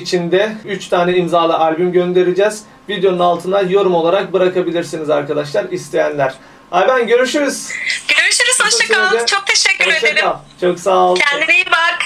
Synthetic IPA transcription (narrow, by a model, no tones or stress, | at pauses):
it͡ʃʰind̪ɛyt͡ʃt̪ʰaːnɛimzaːlˠɯʔalʲbymɟønd̪e̞ɾid͡ʒɛz̥ | vid̪jo̞nunalˠt̪ʰɯnajo̞ɾumo̞lˠaɾak̚bɯɾakabilʲiɾsinizaɾkad̪aʃlˠaɾist̪ʰe̞jænlʲæɾ̥ | abænɟø̞ɾyʃyɾyz̥ɟøɾyɾyʃyɾyz̥oʃˠakeaɛt͡ʃʰok̚t̪ʰeʃɛcːyoɾeakɾalˠt͡ʃʰo̞ksalˠcʰɛnd̪inejimbak